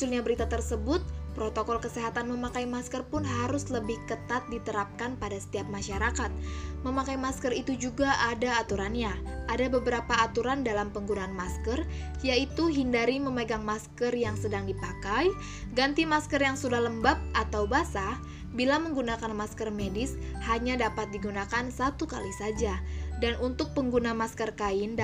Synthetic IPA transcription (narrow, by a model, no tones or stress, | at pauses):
ulɲabəɾit̪at̪ərsəbʊt̪̚pɾot̪okɔlkəseɦat̪anməmakajmaskərpʊnɦaɾʊsləbɪhkət̪at̪̚dit̪əɾap̚kanpadasə̥t̪iap̚maʃaɾakat̪̚məmakajmaskərit̪ud͡ʒuɡaʔadaːt̪uɾanɲaʔadabəbəɾapaːt̪uɾandalampəŋɡunaːnmaskərjait̪uɦindaɾiməməɡaŋmaskərjaŋsədaŋdipakaj | ɡant̪imaskərjaŋsudahləmbap̚ʔat̪awbasa | bilaməŋɡunakanmaskərmedɪs | haɲadapat̪̚diɡunakansat̪ukalisad͡ʒadanunt̪ʊk̚pəŋɡunamaskərkaɪnd